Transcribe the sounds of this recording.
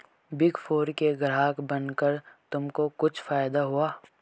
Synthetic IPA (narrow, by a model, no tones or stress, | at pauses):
bɪɡfʰoːɾkeɡɾaːkbənkəɾt̪ʊmkokʊt͡ʃʰfaːjd̪aɦuaː